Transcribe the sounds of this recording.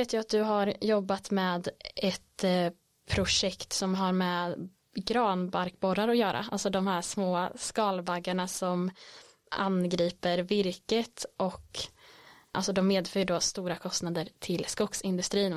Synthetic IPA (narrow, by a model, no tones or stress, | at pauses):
eːt̪ʰjɵat̪̚d̪ɵɦaɾjɔbːat̪mɛːd̪ʔɛt̪ | pʰɾʊʂɛkt̪sɔmɦaɾmɛ | ɡɾɑːnbaɾkbɔɾaɾɔjœːɾʔa̰a̰lt̪sɔd̪ɔmhæːʂmoːskɑːlvaɡːaɳasɔm | a̰nɡɾiːpəɾvɪɾkət̪ʔɔk | ʔalsɔd̪ɔmːeːd̪fœːjɖoːst̪uːɾakʰɔst̪nad̪əɾt̪ʰɪlskʊksɪnd̪ɵst̪ɾiːn